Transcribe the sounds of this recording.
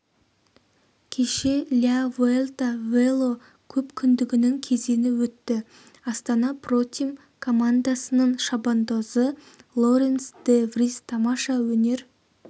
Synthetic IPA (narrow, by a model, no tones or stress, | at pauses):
kʲʰe̞ʃe̞lʲiavelt̪avelˠo | kʲʰɵpkʲʰʏnd̪ɪɡʲɪnɪŋkʲʰe̞ze̞nɪwɵt̪ːɪ | ɑst̪ɑnɑpro̞t̪ʲim | kʰo̞mand̪asənəɴʃɑbond̪ozə | lˠo̞ɾensd̪evrist̪ʰɑmɑʃɑwɵne̞ɾ